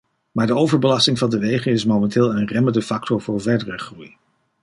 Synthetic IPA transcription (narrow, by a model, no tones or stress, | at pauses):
maːɹdəowvəɹbəlɑstɪŋvɑndəʋejχənɪsmomɛntɪːlˠənrɛməndəfɑk̚tɔɹvʊːɹvɛɹdərəχruj